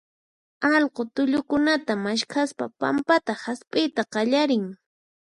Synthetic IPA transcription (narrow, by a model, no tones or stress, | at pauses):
ɑlqot̪ʊʎʊkʊnat̪amaʃkʰaspa̰pa̰mpat̪ahaspʼɪjt̪aqɑʎaɾɪŋ